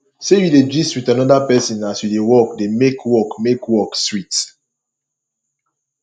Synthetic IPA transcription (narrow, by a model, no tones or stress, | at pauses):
sojuded͡ʒistwitanɔdapɛsĩnasjudewɔk̚demekʰwɔkmekwɔkswit